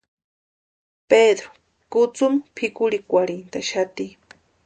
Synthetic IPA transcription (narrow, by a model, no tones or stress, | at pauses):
ped̪ɾo̥ | kʊt͡sʊmpʰɪkʊɾikʷaɾɪnt̪aʃat̪i